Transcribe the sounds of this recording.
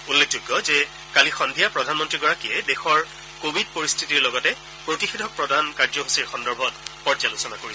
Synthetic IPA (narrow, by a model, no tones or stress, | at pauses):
ulːek̚ʰzuɡːɔzɛ | kalixɔnbʱijapɹɔdʱanmɔntɹiɡɔɹakiɛdɛxɔɹ | kobid̚poɹistʰitiɹlɔɡɔtɛ | pɹotixedʱɔk̚pɹɔdankaɹzɔɦusiɹxɔndɔɹbʱɔtpɔɹd͡ʒalusɔnakoɹibɔ